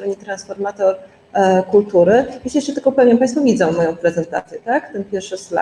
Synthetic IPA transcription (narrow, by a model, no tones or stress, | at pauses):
st̪ɾɔɲɛt̪ɾansfɔɾmat̪ɔɾ | kult̪uɾɘjɛsjɛʂt͡ʂɛt̪ɘlkɔpɛvɲɛmpaj̃st̪fɔvʲid̪zɔw̃mːɔjɔ̃w̃pɾɛzɛnt̪a̰t̪sʲjɛt̪akt̪ɛnpʲjɛɾfʂɘsla̰